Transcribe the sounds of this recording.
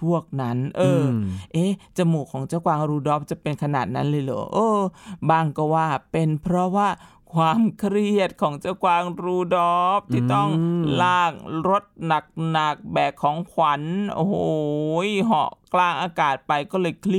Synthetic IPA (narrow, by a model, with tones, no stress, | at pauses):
pʰu˥˩ək̚na˦˥nʔɤː˧ʔeː˦˥t͡ɕa˧˩muː˨˩kʰɔː˩˦ŋt͡ɕaː˧˥˩wkwaː˧ŋɾuː˧dɔː˦˥p̚t͡ɕa˨˩pe˧nkʰa˧naː˨˩t̪̚na̰˦˥nlɤː˧jlɤ̰ː˩˦ʔɤː˧baː˧˩ŋkɔː˧˥˩waː˧˥˩pe˧npʰɾɔ˦˥waː˥˩ | kʰwaː˧mkʰɾi˧˥˩ət̪̚kʰɔː˩˦ŋt͡ɕa˧˥˩wkwaː˧ŋɾuː˧dɔː˦˥p̚t̪ʰiː˥˩t̪ɔ˥˩ŋlaː˧˩k̚ɾo˦˥t̪̚na˨˩k̚na˨˩k̚bɛː˨˩kʰːɔː˨˩˦ŋkʰwa˨˩˦nʔo̰˧˩hoː˨˧˩jɦɔ̰˨˧˩klaː˧˩ŋʔaː˧kaː˨˩t̪̚pa˧jkɔː˥˩lɤː˧jkʰli˦˧